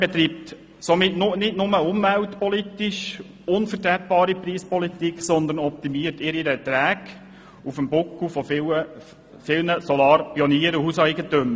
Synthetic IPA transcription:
b̥ɛt̪ɾiːp̚t | somɪtnʊnɪdnʊməʊmvæwtpɔlitiʃ | ʊnfəɾtɾæt̚b̥ɑːɾipriːspɔlitikχsɔnd̪ənɔp̚timiːəɾtɪɾiɾət̪ɾæːɡ | ufəmbʊkufɔfɪə | fɪlnəsɔlɑːɾpiɔniːəɾuhusæjɡətøm

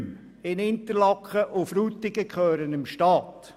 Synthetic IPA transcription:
ɪnɪnt̪əɾlɑkχəʔʊfɾuːt̪ɪɡ̥əkχøːɾənɪmʃtɑːt̪

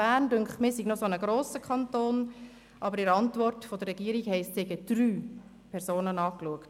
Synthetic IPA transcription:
æːɾndʉŋχmɪːsiɡnosonəɡɾoːsəkʰχɑntoːn | ʔɑbəɾɪɾɑntʋɔrtfod̪əɾːɛɡiːəɾiɡhɛɪsthɛɡəd̪̥ɾyː | pʰɛɾzoːnənɑːkluəkt

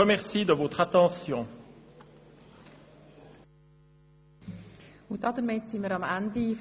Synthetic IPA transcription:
əmɛʁsid̪əvot̪χat̪ɑ̃sjɔ̃ | ʊ̃d̪ɑd̪əɾmɪt̪siməɾɑmænd̪if

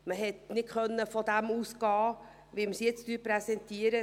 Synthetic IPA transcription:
məɦɛtnɪtχœnːəfɔd̪æmuːsɡɑː | ʋɪlməsjɛt͡sd̥yːpɾɛsɛntiəɾə

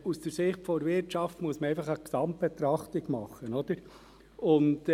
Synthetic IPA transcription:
usd̥əɾsɪχtfɔɾvɪɾtt͡ʃɑftmuəsməɾɛɪfɑχəksɑmt̚b̥et̪ɾɑχtɪɡmɑχːənɔd̥əɾ | ʊnt

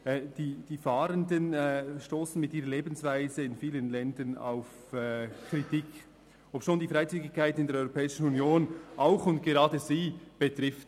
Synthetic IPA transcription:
d̥iːd̥iːfɑːɾəndənʃtoːsn̩mɪtiːɾəɐleːbn̩svaɪzəɪnfiːlənlɛndɐna̰ʊf | kritik | ʔopʃoːndiːfʁaɪt͡syːɡɪçkʰːaɪtnɪndeɛɐɾʔɔʏʁopʰɛːɪʃn̩unjoːnʔaʊxʊntɡ̥eʁɑːdəziːb̥ətʁɪft

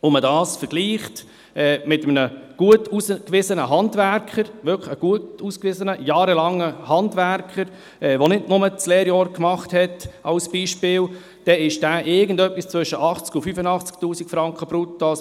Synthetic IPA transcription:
ʊmədɑːsfəɾɡ̥liːχt | ɛːmɪtəmnəɡ̥uətuːsəkʋɪzənəɦɑndvæɾkχəɾʋʏɾkəəɡ̥uətuːskvɪzənəjɑːɾəlɑŋːəhɑntvʋæɾkχəɾ | ʔɛːʋonɪdnʊmət͡slɛːɾjɔːɾkmɑχthɛtɑʊsb̥iːʃpɪːl | d̥ɛɪʃd̥æːʔɪɡən̩dœpːist͡sʋʏʃəʔɑχt͡skʊfyfənɑχt͡sktuːsikfɾɑŋkχəb̥ɾutːos

